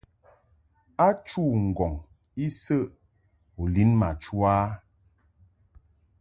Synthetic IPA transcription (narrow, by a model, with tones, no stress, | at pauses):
a˦t͡ʃu˦˨ŋ̩˨ɡɔ˨ŋ | i˦sə˦˨ʔ | o˨li˨˦nma̰˨t͡ʃu˦a˦